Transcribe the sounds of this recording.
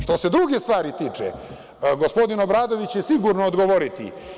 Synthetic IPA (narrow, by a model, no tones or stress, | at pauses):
ʃt̪o̞se̞d̪ɾuɡest̪ʋaːɾit̪iːt͡ʂḛ | ɡo̞spo̞d̪ino̞bɾaːd̪o̞ʋit͡ɕjesiɡuɾnoːd̪ɡo̞ʋo̞ɾit̪ḭ